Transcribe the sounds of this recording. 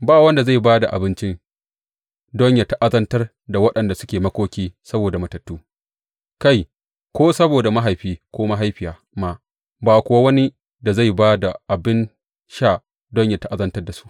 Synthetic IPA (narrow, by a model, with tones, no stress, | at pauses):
baː˦˨wɐ˦nda˨za˦˨jbaː˦da˨ʔa̰˨bɪ˦nt͡ʃɪ˦n | dɔ˦ɲja˨ta˦ʔa˦zɐ˦ntɐ˦r | da˨wɐ˦ɗɐ˨nda˨sʊ˦kʲeː˨mɐ˦kʷoː˦kʲiː˦sɐ˦boː˨da˨mɐ˨tɐ˨tːuː˦ | ka˦˨j | kʷoː˦sɐ˦boː˨da˨ma˦ɦa˨jɸiː˦kʷoː˦ma˦ɦa˦jɸɪ˨jaː˨ | ma˦ | baː˨kʷʊ˨wa˦wɐ˦ni˦ | da˨za˦˨jbaː˦da˨ʔa˨bɪ˦n | ʃa˦˨ | dɔ˦ɲja˨ta˦ʔa˦zɐ˦ntɐ˦rda˨su̥˦ʔ